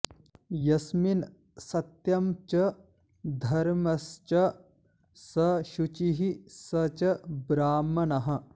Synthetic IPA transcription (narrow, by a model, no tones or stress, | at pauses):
jɐsmin | sɐt̪jɐmt͡ʃɐ | d̪ʱɐɾmɐst͡ʃɐ | sɐʃut͡ʃiɦisɐt͡ʃɐbɾaːmɐnɐɦɐ̆